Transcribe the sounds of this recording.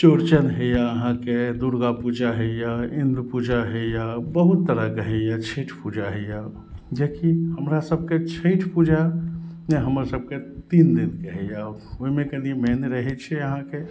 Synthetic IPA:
t͡ʃoɾt͡ʃənɦejaəɦãked̪uɾɡapud͡ʒaɦɛjaĩnd̪upud͡ʒaɦejabəɦut̪ːəɾakəɦɛjat͡ʃʰeʈʰpud͡ʒaɦɛja | d͡ʒekihəmɾasəb̚ʱket͡ʃʰeʈʰpud͡ʒaneɦəməɾsəb̚ʱket̪ind̪inkeɦɛjaoimẽkənimeneɾəɦɛt͡ʃʰɛəɦãke

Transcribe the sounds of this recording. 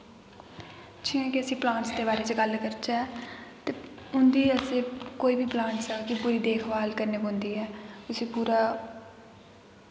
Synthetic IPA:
t͡ʃʰĩːɛ̃ːkɪəsĩːplãːɳt͡ʃd̪eːbaːɾeːt͡ʃəɡəlkəɾt͡ʃaɛt̪eːʊnd̪iːəseːkoːiːbʱiːplãːɳʈsaːkɪpʊɾiːd̪eːkʰʋaːlkəɾnekɦʊ̃nd̪iːɛːʊsĩːpuːɾaː

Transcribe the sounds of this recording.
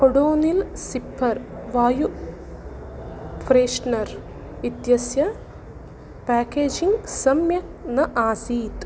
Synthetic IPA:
koɽoːnilsipʰːɐɾʋaːju | fʰɾeːʂnɐɾ | ʋid̪jɐsjɐ | paːkeːd͡ʒiŋɡsɐmjɐknɐʔaːsiːt̪

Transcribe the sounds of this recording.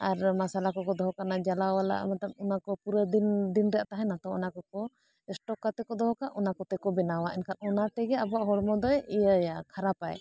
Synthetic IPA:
aɾmasalakɔkɔd̪ɔɦɔkanad͡ʒalawala̰ʔmat̪atunakɔpuɾəd̪ind̪inɾɛaʔt̪aɦɛ̃nat̪ɔ̃ɔnakɔkɔ | ɛsʈɔkːat̪ɛkɔd̪ɔɦɔkaʔɔnakɔt̪ɛkɔbɛnawaʔɛnkʰanɔnat̪ɛɡɛabɔaʔɦɔɽmɔd̪ɔjɛjəjakʰaɾapa̰j

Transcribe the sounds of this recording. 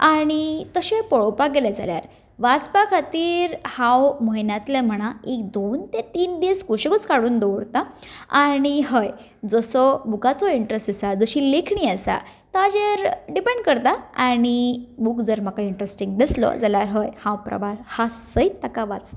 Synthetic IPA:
aɽ̃it̪əɕepɔɭowpaɡelad͡za̰lja̰ɾ | ʋat͡spakʰat̪iːɾhãwməɦinat̪lɛm̤əɽ̃aek̚d̪ont̪et̪iːnd̪eskuɕekət͡skaɽuːnd̪oʋɾt̪aaɽ̃iɦəj | d͡zəsɔbukat͡sɔiɳʈɾesʈisad͡zəɕiːlekʰɳiəsa̰ | t̪ad͡ʑeɾɖipẽɳɖkəɾt̪aaɽ̃ibukd͡zəɾm̤akaiɳʈɾesʈiŋɡd̪islɔ̰d͡zaljaɾɦəjhãwpɾə̰ʋahasəjt̪akaʋat͡s

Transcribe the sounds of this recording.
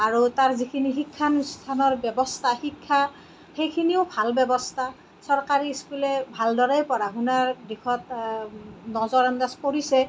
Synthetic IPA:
aɹutaɹzikʰinixikʰːanst̪ʰanɔɹbjɛbɔstʰaxikʰːa | xejkʰiniʊbʱalbɛbɔstʰa | sɔɹkaɹiskulɛbʱaldɔɹajpɔɹaɦunaɹdikʰɔt | nɔzɔɹɔndaspoɹisɛ

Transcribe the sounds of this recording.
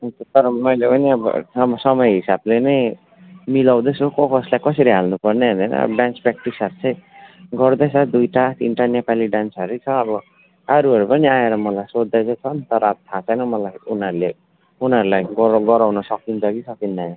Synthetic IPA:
tʰʌt̪ʌɾʌmʌjlepʌniʌbʌ̰ʌmsʌmʌjɦisablenʌj | milaw̃d̪esokokʌslajkʌsʌɾiɦalnupʌrneɦʌnd̪anʌ̰bbjãnt͡spɾak̚ʈisʌɾt͡sʰʌjɡʌrd̪ʌjt͡sʰʌd̪ujʈat̪inʈanepaliɖansʌɾut͡sʰʌːbʌ | ʌɾuɦʌɾupʌniaeɾʌmʌlajsod̪ːajt͡sʰʌt͡sʰʌnt̪ʌɾʌːbt̪ʰat͡sʌjnʌmʌlajunʌɾule | unʌɾulajɡʌɾɡʌɾawnʌsʌkint͡sʰʌkisʰʌkinda

